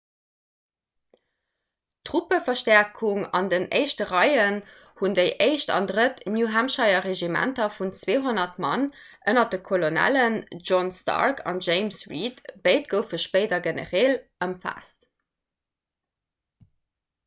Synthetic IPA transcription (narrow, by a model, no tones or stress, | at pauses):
tʁupəfɐʃtɛɐkʰuŋɑ̰ndəneɪʃtəʁɑɪən | hundəɪʔeɪʃtɑ̰ndʁətnjuːɦæmʃɑɪɐʁeʒimæ̰ntɐfunt͡sweːɦonɐtmɑn | ʔənɐdəkʰolonæ̰lənʒɔnstɑ̰ɹkʰɑ̰nʒeɪmsɹitb̥eɪt̚ɡ̥əʊfəʃpəɪdɐɡenə̰ʁeːləmfa̰ːs